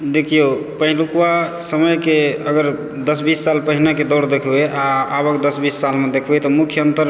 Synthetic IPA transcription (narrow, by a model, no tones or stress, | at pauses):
d̪ekʰijopəɦilukuwa | səməjkeəɡəɾ | d̪əsbisːalpəɦinaked̪ɔɽd̪ekʰbeʔaabəkd̪əsbisːalmed̪ekʰbɛt̪ɔmukʰːjəənt̪əɾ